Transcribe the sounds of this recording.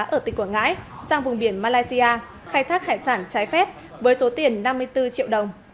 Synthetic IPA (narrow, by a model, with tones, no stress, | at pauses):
ʔəː˧˩ï˨˩ŋkwŋa̰ː˧˥jsaː˧ŋvʊ˨˩ŋ͡mɓi˧˩ənmaː˧laː˧jsi˧ʔaː˧ | xaː˧jt̪ʰaː˦˥k̚ha̰ː˧˨jsaː˧˩nt͡ɕaː˨˦jfɛ˦˥p̚ | vəː˨˦jso˨˦t̪i˨˩ənːa˧mːɨ˧əjt̪ɨ˧t͡ɕḭ˧˨əwɗə˨˩wŋ͡m